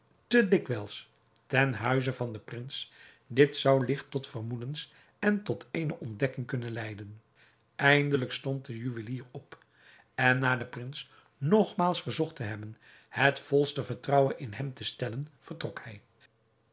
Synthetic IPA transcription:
tədɪkʋɛlˠs | tɛnɦœɥzəvɑndəprɪns | dɪtsɑwlɪχtɔtfəɹmudəns | ɛntɔtʰejnəʔɔndɛkɪŋkɵnənlɛjdən | ʔɛjndələkstɔnt̚dəjyʋəliːrɔp | ɛnːaːdəprɪns | nɔχmaːlˠsfəɹzɔχtəɦɛbən | hətfɔlˠstəvəɹtrɑwənʔɪnɦɛmtəstɛlənv̥əɹtrɔkhɛj

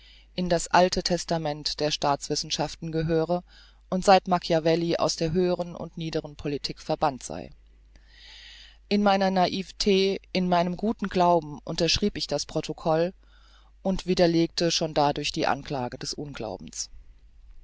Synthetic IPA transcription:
ʔɪndasʔaltʰətʰɛstamɛntd̥eːɐʃtaːt͡sv̥ɪsn̩ʃaftn̩ɡəɦøːʁ̞ə | ʔʊntz̥aɪtmakjavɛliʔa̰ʊsd̥eːɐɦøːəʁ̞ənʊ̰ntniːdəʁənpʰolitʰiːkfɛɐbantz̥a̰ɪ | ʔɪnmaɪnɐnaʔiːvtʰeːʔɪnmaɪnəmɡuːtn̩ɡlaʊbm̩ʔʊ̰ntɐʃʁ̥iːpɪçd̥aspʁ̥otʰokʰɔl | ʔʊntv̥iːdɐleːk̚tʰəʃoːndadʊɐçd̥iːʔa̰nkl̥a̰ːɡədɛsʔʊnɡla̰ʊbm̩s

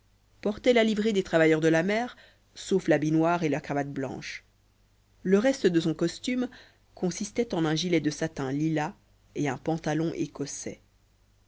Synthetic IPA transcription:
pɔʁt̪ɛlalivʁed̪et̪χavajœʁd̪əlamɛːʁ | soflabinwaʁelakχavat̪̚blɑ̰̃ʃ | ləʁɛst̪əd̪əsɔ̃kɔst̪ym | kʰɔ̃sist̪ɛt̪ɑ̃nɛ̃ʒilɛd̪əsat̪ɛ̃lila | eɛ̃pɑ̃t̪alɔ̃ʔḛkɔsɛ̰

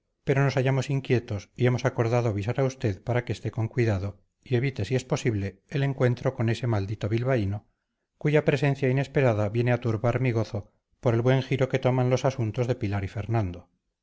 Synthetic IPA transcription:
pe̞ɾo̞no̞saʝamo̞siŋkje̞t̪o̞sie̞mo̞sako̞ɾðaðoaβis̬aɾaust̪e̞ðpaɾake̞ːst̪e̞ko̞ŋkwiðaðo̞ | ie̞βit̪e̞sie̞spo̞siβle̞ːle̞ŋkwe̞nt̪ɾo̞kone̞se̞mald̪it̪o̞β̞ilβaino̞ | kuʝapɾe̞se̞nθjaine̞spe̞ɾaðaβje̞ne̞at̪uɾβaɾmiɣ̞o̞θo̞ | po̞ɾe̞lβwe̞ŋxiɾo̞ke̞t̪o̞manlo̞sasunt̪o̞zðe̞pilaɾifeɾnãnd̪o̞

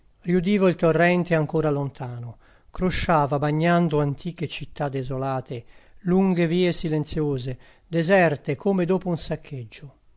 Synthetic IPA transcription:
rjud̪iːvoilt̪orːɛnt̪eaŋkoːɾalont̪ʰaːnʊ | kɾoʃaːvabaɲːand̪ʊant̪ʰiːket͡ʃit̪ːad̪ezolaːt̪eluŋɡeviːesilent̪sjoːze | d̪ɛzɛrt̪ekʰoːmed̪oːpʊunsakʰːed͡ʒːʊ

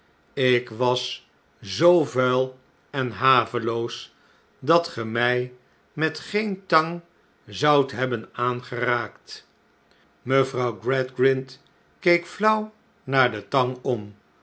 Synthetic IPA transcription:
ɪkʋɑs | zowvɛlˠ | ɛnɦaːvəlows | dɑtχəmɛj | mɛtχejntɑŋ | zɑwtɦɛbənaːnχəraːkt | məvrɑwɡɹɛdɡrɪnt | kejkflʌw | naːɹdətɑŋɔm

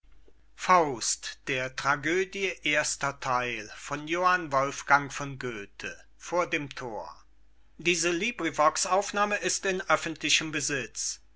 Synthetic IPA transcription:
faʊstd̥eːɐtʁ̥aɡøːdjəʔeːɐstɐtʰaɪlfɔnjoːhanvɔlfɡ̥aŋfɔnɡøːtʰə | foːɐdeːmtʰoːɐ | diːzəliːbʁivɔksʔaʊfnaːməʔɪstɪnʔœfn̩tlɪçəmbəzɪt͡s

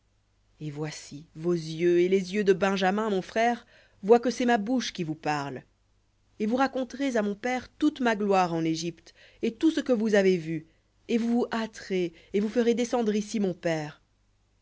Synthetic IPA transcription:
evwasivozjøelezjød̪əbɛ̃ʒamɛ̃mɔ̃fχɛːʁ | vwakəsɛmabuʃkʲivupaʁl | evuʁakɔ̃t̪ʁezamɔ̃pɛʁt̪ut̪maɡlwaʁɑ̃neʒipt̪ | et̪usəkəvuzavevy | evuvuʔat̪χe | evufəʁed̪esɑ̃d̪ʁisimɔ̃pɛːʁ

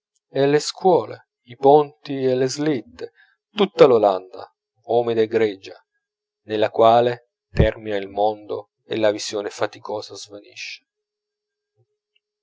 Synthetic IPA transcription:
ɛlːeskwɔːle | ipont̪ielːezlit̪ːe | t̪ut̪ːaloland̪a̰ | oːmed̪ɡɾɛd͡ʒa | nelːakwaːle | t̪ɛrminailmond̪o̰ | ḛlːavisjoːnefat̪ikɔːsazvanḭʃːe̥

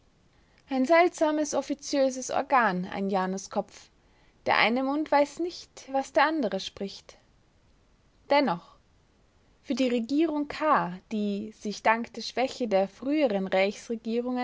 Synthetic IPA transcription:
ʔaɪnzɛltz̥aːməsɔfit͡sjøːzəsʔɔ̰ɐɡaːna̰ɪnjaːnʊskʰɔp͡f | d̥eːɐʔa̰ɪnəmʊntv̥aɪsnɪçtv̥asd̥eːɐʔandəʁəʃpʁ̥ɪçt | d̥ɛnɔχ | fyːɐdiːʁeɡiːʁ̞ʊŋkʰaːd̥iːz̥ɪçd̥aŋkd̥eːɐʃv̥ɛçədeːɐfʁ̥yːəʁənʁaɪçsʁeɡiːʁ̞ʊŋ

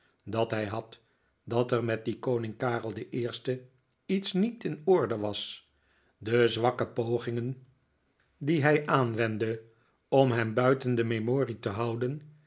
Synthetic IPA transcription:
dɑtɦɛjɦɑt | dɑtɛɹmɛt̚dikownɪŋkaːrəlˠdəʔɪːɹstə | itsnitɪnʊɹdəʋɑs | dəzʋɑkəpowχɪŋən | diɦɛjʔaːnʋɛndə | ɔmɦɛmbœɥtəndəmemoːritəɦɑwdən

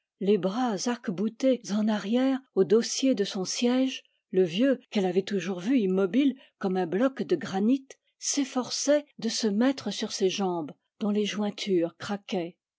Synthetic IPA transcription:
lebʁazaʁkbut̪ezɑ̃naʁjɛʁod̪osjed̪əsɔ̃sjɛʒ | ləvjøkɛlavɛt̪uʒuʁvyimːɔbil | kɔmɛ̃blɔkd̪əɡʁanit̪ | sefɔʁsɛd̪əsəmɛt̪χəsyʁseʒɑ̃b | d̪ɔ̃leʒwɛ̃t̪ʰyʁkχakʲɛ

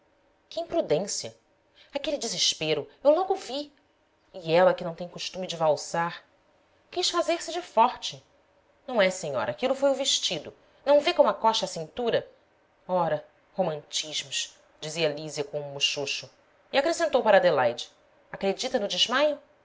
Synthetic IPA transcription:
kɪĩpɾud̪ẽsiɐ | akelid͡ʒɪzɪʃpeɾʊewlɔɡʊvi | iɛlɐkɪnɐ̃w̃t̪ẽkuʃt̪umid͡ʒɪvawsaɾ | kiʃfazeɾsɪd͡ʒɪfɔɾt͡ʃɪ | nɐ̃w̃ɛseɲɔ̰ɾʔɐːkilʊfojʊveʃt͡ʃid̪ʊ | nɐ̃w̃vekõɐkɔʃɐasĩnt̪uɾɐ | ɔɾɐ | homɐ̃nt͡ʃiʒmʊʃ | d͡ʒiziɐaliziɐkõũmuʃoʃʊ | iakɾesẽnt̪owpaɾɐad̪elajd͡ʒɪ | akɾed͡ʒit̪ɐnʊd͡ʒɪʒmajʊ

